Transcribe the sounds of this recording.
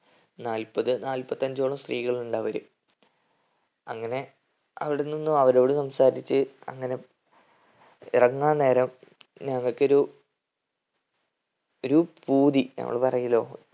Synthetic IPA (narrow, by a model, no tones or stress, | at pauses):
naːlpɐðɨnaːlpɐt̪ːɐɲd͡ʑo̞ːɭɐmst̪riːɣɐɭiluɳɖaːʋɐɾu | ɐŋːɐne̞ | ɐʋiɽenːinːuɐʋɐɾeʋiɽusɐmsaːɾit͡ɕːɨɐ̰ŋːɐne̞ | ḭrɐŋːaːne̞ːɾɐmɲɐŋːɐɭkːɨo̞ɾu | oɾupuːd̪inɐ̰ŋːɐ̰ɭpɐrɐjilo̞ː